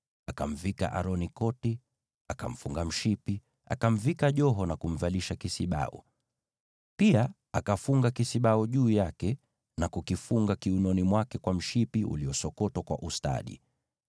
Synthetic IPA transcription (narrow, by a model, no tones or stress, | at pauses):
akam̩vika̰ʔaɾɔnikɔti | aka̰m̩fuŋɡam̩ʃipi | a̰kam̩vikaʄɔɦɔnakum̩valiʃakisiɓa̰ṵ | pia | akafuŋɡakisiɓaɔʄuːjakɛ | nakukifuŋɡakiunɔnimwakɛkwam̩ʃipiṵliɔsɔkɔtwakwa̰ʔusta̰ɗḭ